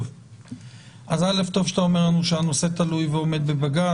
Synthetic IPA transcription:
ʔazale̞ft̪o̞vʃḁt̪ao̞me̞ʁlanuʃeanose̞t̪alujveo̞me̞d̪̚bebaɡa

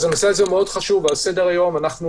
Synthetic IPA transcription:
zenosealzemeo̞d̥χaʃuvalsedeʁajo̞manaχnu

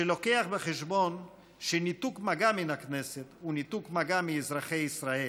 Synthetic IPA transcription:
elo̞keaχbeχeʃbo̞n | ʃenit̪ukmaɡaminakneset̪unit̪ukmaɡamiːzʁaχe̞jisʁae

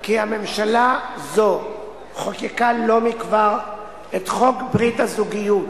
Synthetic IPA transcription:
kihame̞mʃalazo | χokikalo̞mikvaʁ | et̪χo̞kbʁithazuɡijut

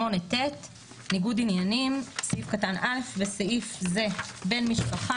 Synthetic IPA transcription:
o̞netet̪ | niɡudinjanimseifkatanʔalefveseifze̞be̞nmiʃpaχa

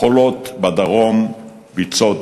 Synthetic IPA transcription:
olot̪bad̪aʁom | bit͡sot

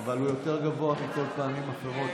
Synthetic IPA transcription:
valhujo̞t̪e̞ʁɡavo̞aχikol̚paːmimaχeʁo̞t̪

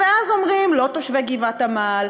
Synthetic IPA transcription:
eazomʁimlo̞t̪oʃveɡivatamal

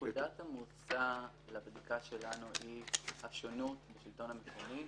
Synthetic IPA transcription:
uudathamut͡sa | labd̪ikaʃe̞lanuhihafʃonutbeʃilt̪o̞nhamekomi

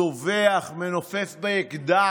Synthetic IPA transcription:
oveaχmenofefbeekd̪a

